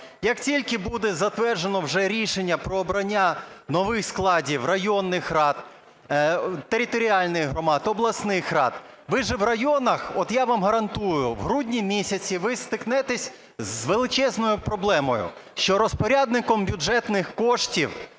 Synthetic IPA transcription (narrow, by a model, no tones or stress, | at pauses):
jɐktʲilʲkɪbud̪ɛzɐt̪ʋɛrʒenɔwʒɛɾʲiʃenʲːɐpɾɔːbɾɐnʲːanɔʋɪxsklˠɑdʲiwrɐjɔnːɪxrɑt̪ | t̪eɾʲɪt̪ɔɾʲialʲnɪjɦɾɔmɑd̪ɔblˠɐsnɪxrɑt̪ | ʋɪʒɛʋrɐjɔnɐxɔt̪jaʋɑmɦɐɾɐnt̪ujʊʋɦɾudʲnʲimʲisʲɐt͡sʲiʋɪst̪ɪknɛt̪ɛsʲ | zʋelˠɪt͡ʃɛznɔjʊpɾɔblˠɛmɔjʊ̰ʃt͡ʃɔɾɔspɔɾʲad̪nɪkɔmbʲʊd͡ʒɛt̪nɪxkɔʃtʲiw